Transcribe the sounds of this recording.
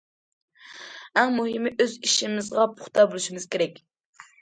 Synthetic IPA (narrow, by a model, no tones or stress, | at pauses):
æŋmuɦɨmɪʔøziʃimɪzʁɑpʰʊ̥χt̪ʰɑbolˠuʃimɨz̥kʲʰeɾɛkʲ